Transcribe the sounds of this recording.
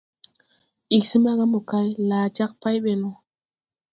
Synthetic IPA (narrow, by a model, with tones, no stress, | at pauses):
ʔi˨k̚si˦ma˦ɡa˦mo˨ka˦jlaː˨t͡ʃa˦k̚pa˦jɓe˨no˨